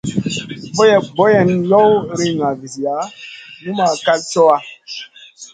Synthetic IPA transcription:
bɔ˦jɛ˨bɔ˦jɛ˨njɔ˦wɾi˦ŋa˨vi˨si˨a˨˦nu˦ma˨ka˦lsɔ˦wa˨

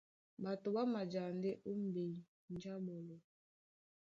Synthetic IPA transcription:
ba˨tʊ˨ba˦ma˨d͡ʒa˨n˦de˦ʔu˦m̩˦be˨i˨ | n̩˦d͡ʒa˦bo˨lo˨

